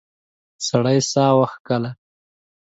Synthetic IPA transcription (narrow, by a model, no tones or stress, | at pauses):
saɽajsɑːwaxkəla